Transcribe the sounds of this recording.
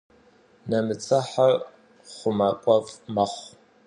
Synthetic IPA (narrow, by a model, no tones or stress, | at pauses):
nɐmɨt͡sʰʼɐħar | χʷʊmaːkʷʼɔfʼmɐχʷ